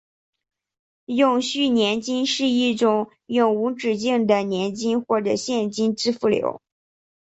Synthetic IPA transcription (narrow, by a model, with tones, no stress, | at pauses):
jʊ˨˩ŋɕy˥˩njɛ˧˥nt͡ɕi˥nʂɻ̩˥˧i˥˩ʈ͡ʂʊ˨˩ŋ | jʊ˨˩ŋu˧˥ʈ͡ʂɻ̩˨˩t͡ɕi˥˩ŋd̪ə˩njɛ˧˥nt͡ɕi˥nxwɔ˥˩ʈ͡ʂɤ˨˩ɕjɛ˥˩nt͡ɕi˥nʈ͡ʂɻ̩˥fu˥˩ljo̰˧˥ʊ